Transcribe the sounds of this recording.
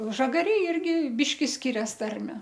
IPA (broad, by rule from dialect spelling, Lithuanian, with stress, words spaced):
ˈʒɑːɡɐrʲeːj ˈɪrʲɡʲɪ ˈbʲɪʃʲkʲɪ ˈsʲkʲɪrʲɛs ˈtɐrʲmʲɛ